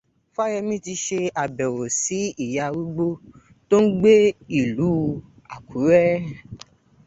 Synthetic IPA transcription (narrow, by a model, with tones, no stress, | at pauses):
fa˦jɛ˧mĩ˦ti˧ʃe˧a˨bɛ˨wo˨si˨˦i˦˨ja˧wu˦ɡ͡bo˦ | to˦n̩˦ɡ͡be˦i˨lu˨˦ | a˨kʰu˨˦ɾɛ˦